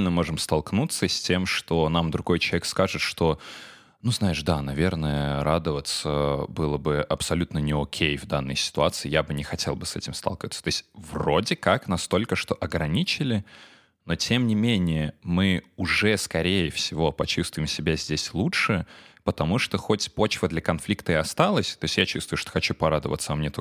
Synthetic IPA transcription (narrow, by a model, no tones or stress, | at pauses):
lʲnəmo̞ʐɨmst̪ɐlˠknut̪səsʲtʲe̞mʂt̪o̞namd̪ɾʊɡo̞jt͡ɕˠvʲekskaʐɨt̪ʂt̪o̞ | nuznajɪʂd̪anɐvʲe̞rnəjəɾʔad̪əvət̪səbɨlˠəbɨʔɐpsɐlʲut̪nənʲɪokʲʰejvd̪anːə̰jsʲɪ̥t̪ʊat̪sɨɪjabɨnʲɪxɐtʲʰe̞lˠbɨsɛtʲɪmst̪a̰lˠkʲɪvət̪sə̥t̪oɪsʲtʲvrodʲɪkaknɐst̪o̞lʲkəʂt̪o̞ʔɐɡɾɐnʲit͡ɕɪlʲɪ | no̞tʲʰe̞mnʲɪmʲenʲɪjəmɨʊʐɛskɐɾʲejəfsʲɪvo̞pɐt͡ɕust̪vʊjɪmsʲɪbʲazʲdʲesʲlˠutʂɨpət̪ɐmuʂt̪oxo̞tʲpo̞t͡ɕvəd̪lʲɐkɐnflʲikt̪əɪɐst̪alˠəsʲt̪o̞ɪsʲtʲjat͡ɕust̪vʊjʊʂt̪o̥xɐt͡ɕupɐɾad̪əvə̰t̪səɐmnʲet̪o